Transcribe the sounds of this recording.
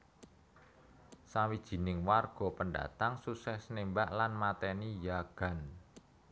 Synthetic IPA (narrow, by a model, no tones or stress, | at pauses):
sawid̥ʒ̥i̤nɪŋwarɡ̥ɔ̤pənda̰t̪aŋsusɛsnembaʔlanmat̪ɛnijaɡ̥a̤n